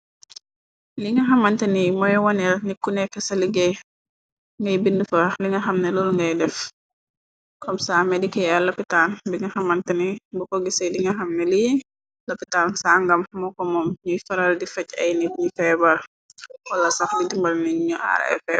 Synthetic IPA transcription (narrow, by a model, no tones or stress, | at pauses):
liŋɡɐɦɐmɐntɐnimɔjwɔnɛlnikːunɛkːɛsɐliɡɛ | ŋɡɐjbindufɐliŋɐxɐmnɐlulŋɡɐjdɛf | kɔmsaːmɛdikɛjalɐpitanbiŋɡɐxɐmɐntɐnibɔkɔɡisɛdiŋɡɐɦɐmnɐlij | lɐpitansaːŋɡɐmmɔkɔmɔmɲujfɐɾɐldifɐcːɐ̰jnit̚ɲifɛbɐl | wɐlːɐsɐflidimbɐlnɛɲuɲuʔa̰ɾ̰ɛ̰fɛ